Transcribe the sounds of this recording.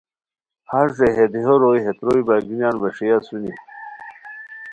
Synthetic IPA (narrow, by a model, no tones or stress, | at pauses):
haɾseɦed̪iɦoɾojɦet̪ɾojbaːɡinjaːnbɐʂijasuni